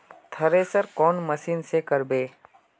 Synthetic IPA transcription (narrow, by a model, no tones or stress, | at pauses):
t̪ʰɐɾesəɾkɔːnmɐsiːnsekɐɾbeː